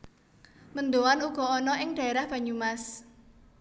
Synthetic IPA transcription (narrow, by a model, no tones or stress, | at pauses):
mənd̪owanuɡ̥ɔ̤ɔnɔɪŋɖ̥a̤eɾahb̥ä̤ɲumas